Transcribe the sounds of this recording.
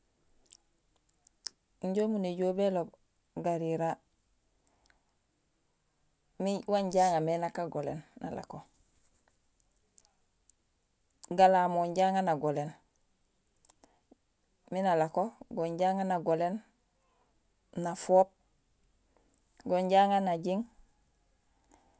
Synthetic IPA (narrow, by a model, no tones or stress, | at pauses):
ɲɟomuneɟoːbelob | ɡaɾiɾa | miwaɲɟaːŋamenakaɡolḛnːa̰la̰ko | ɡalamoɲɟaːŋanaɡolen | minalakoɡoɲɟaːŋanaɡolen | nafoːp̚ | ɡoɲɟaŋanaɟiŋ